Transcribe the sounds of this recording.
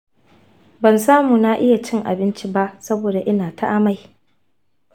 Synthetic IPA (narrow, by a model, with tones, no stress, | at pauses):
bɐ˨nsaː˦muː˨na˦ʔɪ˦ja˨t͡ʃɪ˦ŋʔa̰˨bɪ˦nt͡ʃi˦ba˦ʔsɐ˦boː˨da˨ʔɪ˦naː˨tʰa˦ʔa˦ma˦˨j